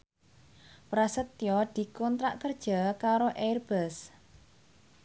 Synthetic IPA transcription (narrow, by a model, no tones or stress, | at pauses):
pɾasət̪ːjɔd̪̥i̤kɔnt̪ɾaʔkərd̥ʒ̥a̤kaɾoʔɛrb̥əs